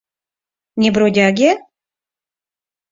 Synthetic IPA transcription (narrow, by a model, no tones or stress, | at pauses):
nʲebɾodʲaɡʲe